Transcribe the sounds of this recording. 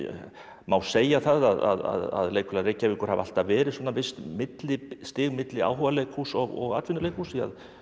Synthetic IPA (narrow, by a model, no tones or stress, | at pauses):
maːwseːjaθaðaða̰ða̰ða̰ðleːjkʰʏlaɾejcːavɪkɔɾha̰val̥t̪avɛːɾɪðswɔːnavɪst̪mɪt̪lɪst̪ɪːɣmɪt̪lɪa̰ːwhɔvaleːjkhusɔɣɔ̰ɣa̰t̪vɪnʏlejkhusɪa̰ð